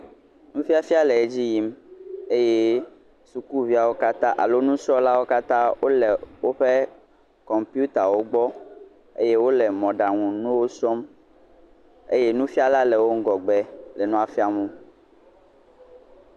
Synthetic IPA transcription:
nũ˦fi˦a˦fi˦a˦lɛ˨e˦d͡ʑi˦ji˦me˦je˦ | su˨ku˦vi˦a˨wo˦ka˦t̪ã˦ʔa̰˨lo˦nũ˦sɔ˦la˦wo˦ka˦t̪ã˦wo˦lɛ˨wo˦ɸe˦ | kɔ˨mpi˦u˦t̪a˨wo˦ɡ͡bɔ˦ | ḛ˦je˦wo˦lɛ˨mɔ̃˨ɖa˨ŋũ˨nũ˦wo˦sɔ˦m | ḛ˦je˦nũ˦fi˦a˦la˦lɛ˨wo˦ŋ̩˦ɡɔ˨ɡ͡bɛ˨lɛ˨nũ˦a˨fi˦a˨mũ˦

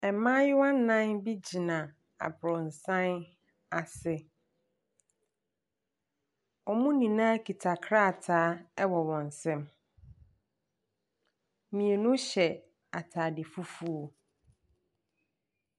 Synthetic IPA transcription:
ɛ˨mãː˦jɪ˦wã˦n˦nã˦nbi˦d͡ʑi˨nã˨ | a̰˨bɾɔ˨n̩˨sã˦n | a˨sɪ˦ | ɔ˨mʊ̃˦nĩ˨nãː˦kʰi˨tʰa˨kʰɾa˦˨tʰaː˨˦ɛ˦wɔ˨wɔ̃˨n˨sɛ̃˦m | mĩ˨e˨nʊ̃˦ɕɛ˨ | a˨tʰaː˨dɪ˨fu˦fu˦o˨

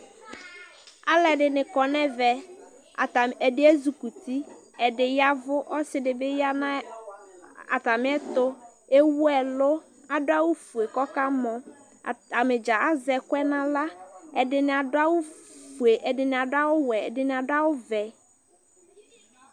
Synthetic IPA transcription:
a˦lɛ˨dɪ˨nɪ̃˨kɔ˨nɛ˦vɛ˨ | ta˨ɛ˨dɪ˦ɛ˦zu˨ku˨ti˦ | ɛ˨dɪ˨ja˦vʊ˦ʔɔ˦sɪ˦dɪ˨be˦ja˦nã˦ | a˨ta˨mɪ̃˦ɛ˦tʊ˦ | e˦wu˦ɛ˨lʊ˦ | a˨dʊ˦a˦wʊ˦fu˨e˨kɔ˦ka˦mɔ̃˨ | a˨mɪ˨d͡ʒa˨a˦zɛ˨kʊ˦ɛ˦nã˦la˦ɛ˨dɪ˨nɪ˨a˨dʊ˦a˦wʊ˦fu˨e˨ʔɛ˨dɪ˨nɪ˨a˨dʊ˦a˦wʊ˦wɛ˨ɛ˨dɪ˨nɪ˨a˨da˦wʊ˦vɛ˨

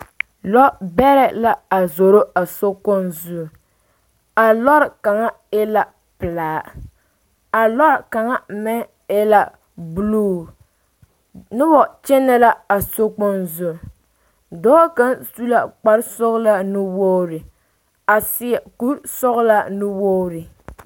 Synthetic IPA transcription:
lɔ˦bɛ˦ɾɛ˦la˦a˨zo˨ɾo˦a˨so˦kɔ˦nzu˦˨ | a˨lɔ˦ɾka˨ŋa˦ | e˦la˨ | pɨ˨laː˨˦˨ | a˨lɔ˦˨ka˨ŋa˦˨mɛ˦ | e˦la˨ | bu˦luː˦˨ | nɨ˦bɔ˨t͡ʃɛ˦nːɛ˦la˦a˨so˦kɔ˦nzu˦˨ | dɔː˦ka˦nsu˦la˦k͡pa˨ɾsɔ˦ɣla˦nɨ˦wo˦ɾɨ˨ | a˨sɪ˦ɛ˨ku˦ɾsɔ˦ɣʊ˦la˦nɨ˦wo˦ɾɨ˨

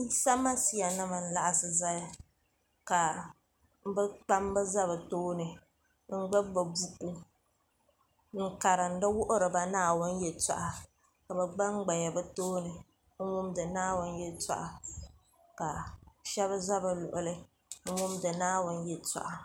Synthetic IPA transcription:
i˦sa˦ma˦si˦ja˨nɨ˦ma˨n̩˦˨la˦˨ʔa˦˨sɨ˨za˦ja˦ | ka˨ | m̩˦bɨ˦k͡pa˦m˦bɨ˦za˦βɨ˨toː˦nɨ˨ | ŋ̩˦ɡ͡ba˦bbɨ˨bu˦ku˦ | ŋ̩˦ka˨ɾɨ˨n̩˦dɨ˦wʊ˦ʔʊ˦ɾɨ˨ba˦naː˦wʊ˦n˦jɛ˨ta̰˨ʔa˨ | ka˨bɨ˨ɡ͡ba˦ŋ˦ɡ͡ba˨ja˨bɨ˦toː˦nɨ˨˦ | mʊ˦mdɨ˨naː˦wʊ˦n˦jɛ˦ta̰˦ʔa˨ | ka˨ʃɛ˦βza˦bɨ˨lʊ̰˨ʔʊ˨lɨ˦ | mʊ˦mdɨ˨naː˦wʊ˦n˦jɛ˨ta̰˨ʔa˨

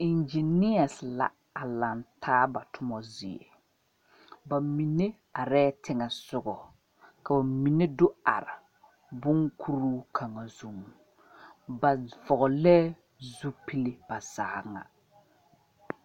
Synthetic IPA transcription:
i˨nd͡ʒi˨nɪ˦a˨sɪ˨la̰˨ | a˨la˨ntʰaː˦ba˨tʰʊ˦mɔ˦zɪ˨ḛ˨ | ba˨mi˨ne˦ | a˨ɾɛː˦tʰɪ˦ŋɛ˨sʊ˦ɡɔ˨ | ka˨ba˨mi˨ne˦dʊ˦a̰˨ɾɪ˨ | bʊ˦ŋkʰu˦ɾuː˦kʰa˨ŋa˨zu˦m˨ | ba˨vɔ˨ɣɔ˨lɛː˦ | zu˦pi˦lɪ˦b̥a˨za˨˦ŋa̰˨

